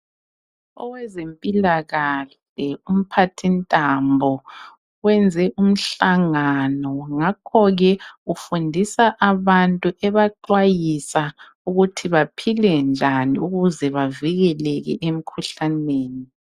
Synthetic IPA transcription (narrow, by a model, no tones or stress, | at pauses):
ɔwɛzempʼilaɣaɬ | ɛum̩pʰatʰintʼambʱɔ | wɛnd͡zʱɛʔum̩ɬaŋanɔŋakʰɔɣɛufundʱisaʔaβantʼuʔɛβaǃwajisa | uɣutʰiβapʰilɛnd͡ʒʱaniuɣuzɛβaviɣɛlɛɣɛ̰ʔem̩kʰuɬaneːni